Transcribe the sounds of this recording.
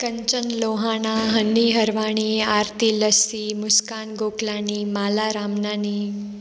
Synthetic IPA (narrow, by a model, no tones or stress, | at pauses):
kəɲt͡ɕənloɦanaɦənːiɦəɾʋaɳ̃iːaːɾt̪iləsimuskaːnɡoklaːniːmalaɾaːmnani